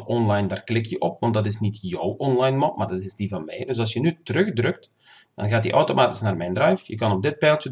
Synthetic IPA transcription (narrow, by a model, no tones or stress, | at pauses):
ɔnlɑjndaːrklɪkjəʔɔpʋɑndɑtɪsnitjɔwʔɔnlɑjnmɔpmaːrdɑtɪzdivɑnmɛjdɵs̬ɑlˠsjənytərɵxdrɵkt | d̥ɑ̰nɣaːt̚dḭʔɔwtomaːtɪ̥snaːrmɛjndrɛjfjəkɑnɔb̚dɪt̚pɛːlˠtə